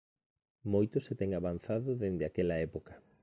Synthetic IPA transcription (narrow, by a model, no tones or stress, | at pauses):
mojt̪ʊset̪ɛŋaβan̟θaðʊðend̪ɪakɛlɐɛpokɐ